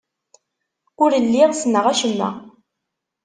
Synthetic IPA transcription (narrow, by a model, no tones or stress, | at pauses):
ʊɾəlːiʁsənəʁæʃənːæ̰